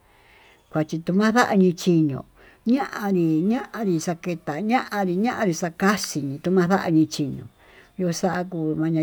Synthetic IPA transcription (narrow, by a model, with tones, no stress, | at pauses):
kʷa˨t͡ʃi˧t̪u˧mã˦ða˦ʔa˧ɲĩ˧t͡ʃi˧ɲõ̰˨ | ɲã˦ʔã˧ɾi˧ɲã˦ʔã˧ɾi˧sa˧ke˧t̪a˨ɲã˦ʔã˧ɾi˧ɲã˦ʔã˧ɾi˧sa˧ka˦si˨ɲĩ˧t̪u˧mã˦ða˦ʔa˧ɲĩ˧t͡ʃi˧ɲõ̰˨ | jo˧sa˦ʔa˧k̬uː˧˨˧mã˧ɲã˧